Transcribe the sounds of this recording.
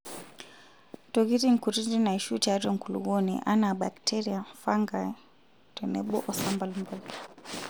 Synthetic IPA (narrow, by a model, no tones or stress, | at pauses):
tɔɣiɾiŋ̩kuɾid͡ʒinaiʃut͡ʃaɾɔŋ̩kulṵɡɔnḭʔanaɓa̰ktʰɛɾiafaŋɡa | twɛnɛɓɔ̰ʔɔsambalmbal